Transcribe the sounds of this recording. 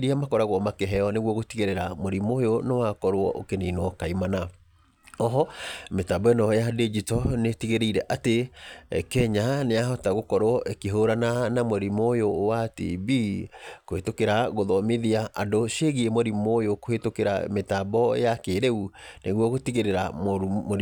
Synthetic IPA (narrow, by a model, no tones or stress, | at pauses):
ɾiamakɔɾaɣwɔmakɛɦɛɔneɣwɔɣotiɣeɾeɾamoɾimojonewakɔɾoɔʔo̰keninwɔkaimana | ɔɦɔmetaːbɔenɔjaded͡ʑitɔnetiɣeɾeiɾɛʔate | kɛɲaneaɦɔtaɣokɔɾowɔʔekeɦoɾananamoɾimojowatḭbiːkohetokeɾaɣoðɔmeðiaandoʃeɣiemoɾimojokohetokeɾa̰metaːbɔ̰jakeɾeuneɣwɔɣotiɣeɾeɾa̰momo